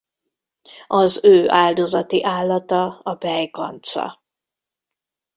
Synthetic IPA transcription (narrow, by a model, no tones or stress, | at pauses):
ɒzøːʔaːld̪ozɒt̪iʔaːlːɒt̪ɒɒbɛjkɒ̰nt̪sɒ̰